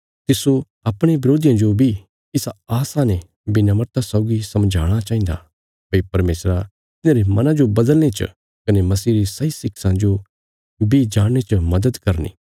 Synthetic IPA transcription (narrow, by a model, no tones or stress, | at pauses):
t̪ɪso | ɐpɽ̃eʋɪɾoːd̪ijãd͡ʒobʱi | ɪsaaːsane | bɪnaməɾt̪asɔːʊɡisɐmd͡ʒʱa̰ːɽ̃at͡ʃaːĩːnd̪a̰ | pɐipɐɾmeːsɾa | t̪ɪnãːɾemɐnãd͡ʒobɐd̪əlñet͡ʃə̰ | kɐnemɐsiːɾisɐisɪksãd͡ʒo | bʱid͡ʒaːɽ̃ːet͡ʃəmɐd̪əd̪kɐɾnḭː